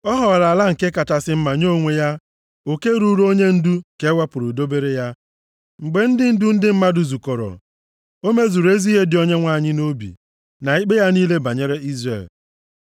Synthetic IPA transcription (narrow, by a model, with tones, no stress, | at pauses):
ɔ˦ɦɔ˨ɣa˨ɾa˨la˦ŋ̩˨ke˦ka˨ta˨sɪ˦m̩˦ma˨ɲo˦˨ŋʷe˦ja˦ | o˨ke˦ɾu˦ɾo˦ɲe˦n̩˦du˦ke˦wa˦pʊ˨ɾu˨do˦be˦ɾe˦ja˦ | ŋ͡m̩˨ɡ͡be˨n̩˦dɪ˦n̩˦du˦n̩˦dɪ˦m̩˦ma˦dʊ˨zu˨kɔ˨ɾɔ̰˨ | o˦me˦zu˨ɾe˦zi˦ɦe˦dɪ˨o˦ɲe˦ŋʷa˦˨ɲɪ˦no˦bḭ˨ | na˨i˦k͡pe˦ja˦niː˦le˦ba˨ɲe˦ɾe˦i˦zrḛ˨l